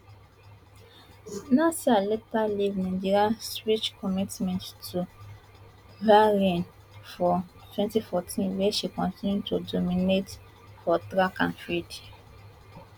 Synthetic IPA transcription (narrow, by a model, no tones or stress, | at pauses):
nasialetalivnĩd͡ʒiɾiaswit͡ʃkʰɔmitmɛ̃nttu | vaɾĩn | fɔtwɛ̃ntifɔtʰĩnweʃikɔ̃ntĩnjutudominet | fɔtɾakãnfid